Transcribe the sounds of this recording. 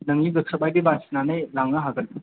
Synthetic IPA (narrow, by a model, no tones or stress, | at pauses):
nɐŋiɡɯkʰsɐbajdibasnanɯjlaŋaɦaɡɐl